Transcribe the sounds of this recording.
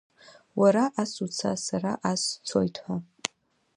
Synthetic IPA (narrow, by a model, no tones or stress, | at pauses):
waɾaʔasut͡sʰa̰saraʔast͡sʰo̰jtʰħʷa